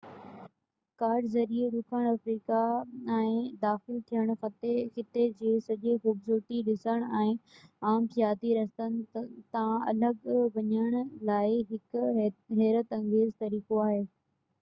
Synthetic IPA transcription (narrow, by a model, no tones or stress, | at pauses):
kaːɾɖzɐɾieɗʊkʰəɽ̃ɐfɾiːkaɛ̃ːd̪aːxɪlt̪ʰijəɽ̃xɐt̪exɪt̪ed͡ʑeːsɐʄexuːbzʊːɾt̪iɗɪsəɽ̃ʊɛ̃ːaːmkjaːt̪iɾɐst̪ənɪ̆t̪ãɐ̰ləɡʋɐɲəɽ̃ʊlaːɪɦɪkɦɛːɾət̪ɐ̃ŋɡeːzt̪ɐɾiːkoaːɦeː